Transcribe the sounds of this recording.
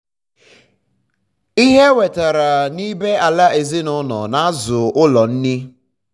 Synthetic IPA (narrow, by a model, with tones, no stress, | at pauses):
i˦ɦe˦we˨ta˨ɾa˨ni˦be˦ʔa˨la˦e˨zi˦nʊ˦nɔ̰˨na˨˦a˦zʊ˨ʊ˦lɔ˨n̩˦nɪ˦